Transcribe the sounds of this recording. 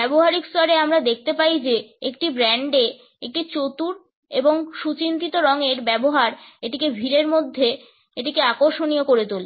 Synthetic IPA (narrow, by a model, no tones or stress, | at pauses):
bɛboɦaɾikst̪ɔɾeamɾad̪ek̚ʰt̪epaid͡ʑeekʈibɾɛɳɖe | ek̚ʈit͡ɕot̪uɾ | eboŋʃut͡ɕint̪it̪oɾɔŋeɾbɛboɦaɾeʈikebʱiɾeɾmod̪ʱːe | eʈikeakoɾʃoniokoɾet̪ole